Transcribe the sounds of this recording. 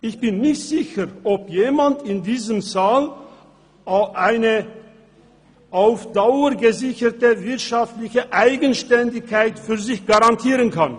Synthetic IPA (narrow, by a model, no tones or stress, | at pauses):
ʔɪçb̥ɪnːɪçtz̥ɪçəʁʔɔpjeːmantɪndiːzəmzaːl | ʔaɪnə | ʔaʊfd̥aʊəɡəzɪçətəvɪɐtʃaftlɪçəʔaɪɡənʃtɛndɪçkːaɪtfyːɐzɪçɡ̥aʁantʰiːʁənkʰan